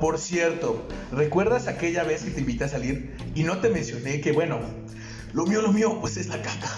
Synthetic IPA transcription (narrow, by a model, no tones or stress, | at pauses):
po̞ɾsje̞ɾt̪o̞re̞kwe̞ɾðasake̞ʝaβe̞ske̞t̪e̞imbit̪easaliɾ | ino̞t̪e̞mẽ̞nsjo̞ne̞ke̞bwe̞no̞ | lo̞miolo̞miopwesezlakak̪ḁ